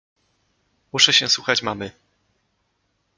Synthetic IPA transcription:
muʂɛɕɛswuxat͡ɕmamɘ

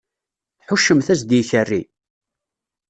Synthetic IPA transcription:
θħʊʃːəmθæsd̪jiçərːi

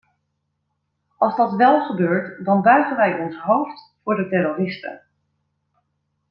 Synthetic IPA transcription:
ɑlˠzdɑtʋɛlˠχəbøːɹtdɑnbaːχənʋɛjʔɔnsɦowftfʊːɹdətɛɾorɪstə̰n

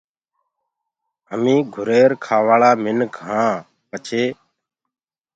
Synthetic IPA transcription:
ɦəmĩːɡʱʊɾeːɾkʰaːʋaːɭaːmɪnkɦãː | pət͡ʃʰeː

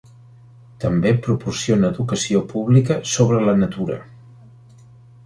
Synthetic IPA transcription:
t̪əmbepɾupursionəːðukəsiopuβlikəsoβɾələnət̪uɾə̰

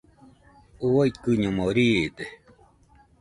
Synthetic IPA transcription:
uaikɨɲõmoɾiːd̪e

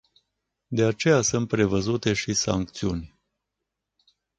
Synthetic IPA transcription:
d̪e̞at͡ʃe̞jasɨnt̪̚pɾe̞vəzut̪e̞ʃisa̰ŋk̚t̪siunʲ

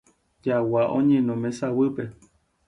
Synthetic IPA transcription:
d͡ʒawaʔõ̰ɲẽnõmẽsawɨpe

